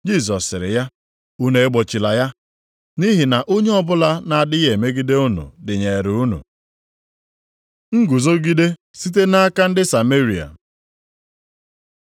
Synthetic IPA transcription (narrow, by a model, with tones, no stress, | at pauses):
d͡ʒi˦z̬ɔ˨sːɪ˨ɾɪ̰˨ja˦ | u˦ne˨˦e˦ɡ͡bɔ˨t͡ʃi˨la˨ja˦ | ni˦ɦɪ˨na˨ʔo˦ɲe˦ɔ˦bʊ˦la˦na˨a˨dɪ˦ɣe˨me˦ɡi˦de˦ʊ˦nṵ˨dɪ˨ɲe˨e˨ɾʊ˨u˦nṵ˨ | ŋ̩˦ɡu˨zo˦ɡi˦de˦ | si˦t̬e˦na˦a˦ka˦n̩˦dɪ˦sa˨me˦ɾi˨a̰˨